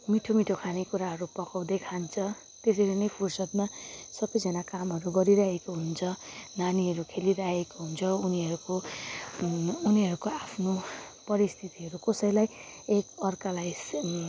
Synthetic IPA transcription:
miʈʰomiʈʰokʰanekuɾaɦʌɾupʌkaw̃d̪ekʰant͡sʰʌ | t̪es̬ʌlenʌjpʰursʌd̪masʌbʌjd͡zʌnakamɦʌɾuɡʌɾiɾaɦekoɦunt͡sʰʌnaniɦʌɾukʰeliɾaɦekoɦunt͡sʰʌuniɦʌɾuko | uniɦʌɾukoapʰnopʌɾist̪ʰit̪iɦʌɾukʌsʌjlaj | ekʌrkalajs

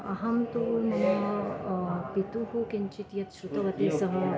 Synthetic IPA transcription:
ɐ̰ɦɐmt̪unɐ | pit̪uɦukint͡ʃit̪jɐt̪sɾut̪ɐʋɐt̪eːsɐɦɐ

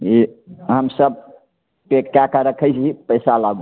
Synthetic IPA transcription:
iɦəmsəb̚ | pekːakaɾəkʰəjt͡ʃʰɦipəjsalaɡũ

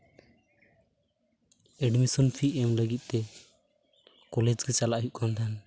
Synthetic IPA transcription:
ɛɖmisɔnpʰiɛmləɡit̪̚ˀt̪ɛ | kɔlɛd͡ʒkɛt͡ʃalaʔɦuʔkʰant̪ʰan

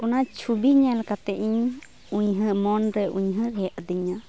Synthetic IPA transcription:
ɔnat͡ʃʰubiɲɛlkat̪ɛʔiɲ | uɲɦə̃ʔmɔnɾɛʔuɲɦə̃ɾɛʔd̪iɲa

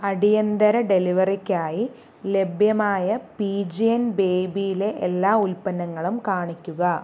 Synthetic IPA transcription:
ɐɽijɐnd̪ɐɾɐɖe̞liʋɐrikʲːaːji | le̞bʱjɐmaːjɐpiːd͡ʑiɐnbe̞ːbijile̞ʔelːaːulpɐnɐŋːɐɭumkaːɳikʲːuɣɐ

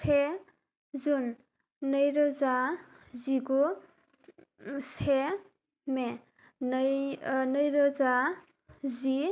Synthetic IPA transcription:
sʰe | d͡zunː | ʌjɾʌd͡za | d͡ziko | sʰe | me | n | nʌjɾʌd͡za | d͡zi

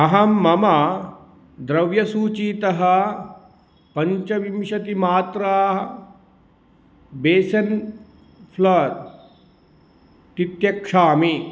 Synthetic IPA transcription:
ɐɦɐmːɐma | d̪ɾɐʋjɐsuːt͡ʃiːt̪ɐɦɐ | pɐɲt͡ʃɐʋimʃɐt̪imaːt̪ɾaːɦ | beːsɐn | pʰlɐd̪̚ | t̪it̪jɐkʂaːmi

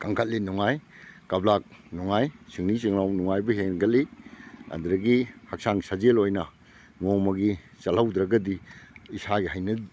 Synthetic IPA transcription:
kaŋkʰat̚linuŋajkablak̚nuŋajsiŋnisiŋlawnuŋajbɐɦeŋɡɐt̚lia̰nd̪ɾɐɡihak̚saŋsad͡ʒelojnɐ | ŋomɐɡi | sɐlhawd̪ɾɐɡɐdiːsaɡiɦajnɐdi

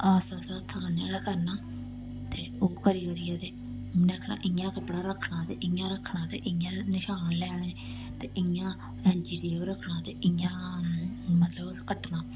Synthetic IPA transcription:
aːsaːsaːt̪ʰːəːənãːakəɾnaː | t̪eːoːkəɾiːoːɾɪːaːt̪eː | nəkʰna̰ːʔɪãːkəbəɽaːɾəkʰɳaːt̪eːʔɪjãːɾəkʰːɳãːt̪eːʔɪjãːnɪʃaːnlɛːɽeː | t̪eːʔɪãː | ɛ̃ːnd͡ʒiɾiːoːɾəkʰːnãːt̪eːʔɪjãː | mət̪ləboskəʈnaː

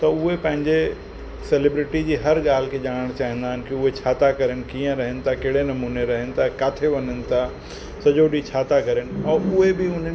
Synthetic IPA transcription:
t̪ɐʊɦepɐ̃ɦɪ̃ɲd͡ʑe | selɪbɾɪʈid͡ʑiːɦɐɾɠaːl̤ɪkʰed͡ʑaːɽ̃əɽ̃t͡ɕaːɦĩn̆d̪aːɦɪn̆kɪʊɦet͡ɕʰaːt̪akɐɾənɪ̆kiːə̃ɾɐɦənɪ̆t̪ʰakɐɦɽenɐmuːneɾɐɦənɪ̆t̪ʰakaːt̪ʰeʋɐɲənɪ̆t̪ʰa | sɐd͡ʑoɗit͡ɕʰaːt̪akɐɾənɪ̆ɔːɾʊɦebɪʊn̤

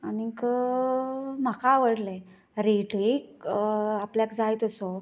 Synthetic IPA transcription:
anikə | m̤akaːʋəɽlẽ | ɾeʈek̚ | apljakd͡zajt̪əso

